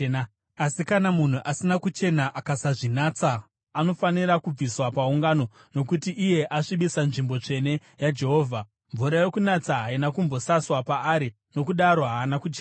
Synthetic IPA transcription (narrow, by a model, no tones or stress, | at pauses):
asikanamun̤uʔasinakut͡ʃe̞naʔakasaʐinaːt͡saː | no̞faniɾakub͡viswapauŋɡano̞no̞kutiʔːje̞ʔaʂiɓisanʐimbo̞t͡ʂe̞ne̞jad͡ʒe̞ɦo̞ːvʱa | ɱvuɾajekunat͡saɦainakumbo̞saswapaːɾi | no̞kuɗaɾo̞ɦaːnakut͡ʃeːna